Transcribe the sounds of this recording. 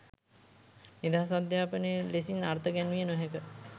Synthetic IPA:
nid̪aɦasad̪jaːpənelesinaɾt̪əɡænʋijənoɦɛkə

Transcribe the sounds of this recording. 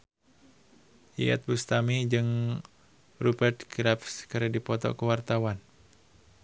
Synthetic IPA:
ʔia̰t̪̚bust̪amid͡ʒɨŋ | rubɛrt̪̚ɡɾapskəɾɛdipɔt̪ɔ̰kəwart̪awan

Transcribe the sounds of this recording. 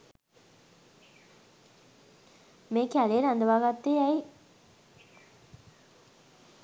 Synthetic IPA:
meːkjæleːɾand̪əʋaːɡat̪ːeːɛj

